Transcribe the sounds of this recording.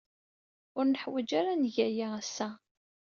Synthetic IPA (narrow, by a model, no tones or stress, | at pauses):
ʊɾnəħwæd͡ʒaɾanʝæjaæsːæ